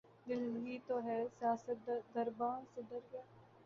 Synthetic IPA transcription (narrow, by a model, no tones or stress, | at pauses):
d̪ɪlɡiːt̪oɦɛsijaːsət̪̚d̪ɐɾbaːnsed̪əɾɡaː